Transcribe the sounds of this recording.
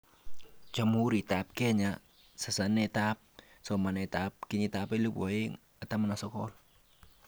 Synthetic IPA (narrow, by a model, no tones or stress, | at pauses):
t͡ʃamuɾit̪ap̚keɲa | sasanet̪ap̚ | sɔmanet̪ap̚kiɲit̪apeluboeŋ | at̪amanasɔkɔl